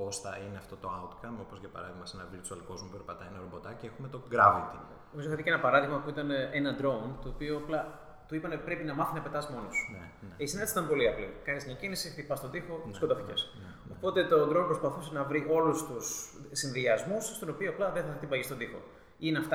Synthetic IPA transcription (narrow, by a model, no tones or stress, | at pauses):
posθɐineɐft̪o̞t̪o̞ɐut̪kɐmo̞pozʝɐpɐ̰ɾɐðiɣmɐsenɐviɾt̪uɐlko̞zmupeɾpɐt̪ɐienɐɾobo̞t̪ɐcexumet̪o̞ɡɾɐvit̪i | nomizofɐt̪iceenɐpɐɾɐðiɣmɐpuit̪ɐneʔenɐd̪ɾo̞nt̪o̞ːpioɐplɐ | t̪uipɐnepɾe̞pinɐmɐθinɐpe̞t̪ɐzmo̞nosu̥ | eisinɐd̪esit̪ɐmpo̞liɐplikɐnizmɲɐcinisiipɐst̪od̪ixo̞skot̪ɐficḛs | opo̞t̪e̞t̪o̞d̪ɾonpɾo̞spɐθuse̞nɐvɾiʔo̞lust̪ussinðiɐzmusst̪onopioɐplɐðeθɐit̪ibɐʝist̪od̪ixo̞̰ | ineɐft̪